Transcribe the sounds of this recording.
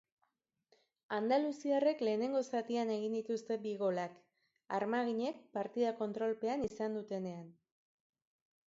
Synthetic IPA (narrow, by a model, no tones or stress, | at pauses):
and̪alusiare̞kle̞ːne̞ŋɡo̞sat̪iane̞ɣ̞ind̪it̪ust̪e̞biɣo̞lak | aɾmaɣ̞iɲe̞k̚paɾt̪iðako̞nt̪ɾo̞lpe̞anisand̪ut̪e̞ne̞an